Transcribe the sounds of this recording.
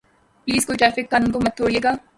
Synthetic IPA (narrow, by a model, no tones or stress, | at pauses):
pliːzkojʈɾɛːfɪkːaːnənkomɐt̪̚t̪ʰoːɽieːɡaː